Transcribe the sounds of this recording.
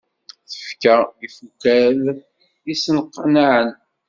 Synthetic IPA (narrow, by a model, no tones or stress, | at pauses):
θə̥fkəjifukæl | isənqːnaʕən